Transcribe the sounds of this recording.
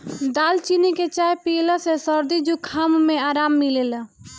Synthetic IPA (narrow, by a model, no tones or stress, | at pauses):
d̪alt͡ʃiniket͡ʃajpiləsesəɾd̪id͡ʒukʰːammeaːɾamːilel